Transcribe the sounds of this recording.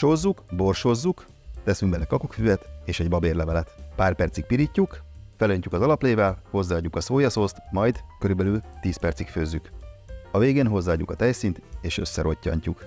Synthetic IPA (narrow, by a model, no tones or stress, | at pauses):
ʃozːukbo̞rʃo̞zːuk | t̪ɛsyŋɡbɛlːɛkɒkokfyɛt̪eːʃɛɟbɒbeːrlɛvɛlɛt̪paːrpɛrt̪sik̚piɾicːukfɛløɲcukɒzɒlɒpleːvɛlho̞zːaːɟːukɒsoːjɒsoːst̪mɒjd̪kø̞ɾybɛlylt̪iːspɛrt̪sikføːzːykɒveːɡeːnɦo̞zːaːɟːṵkɒt̪ɛjsint̪eːʃø̞sːɛɾʔo̞cːɒ̰ɲcuk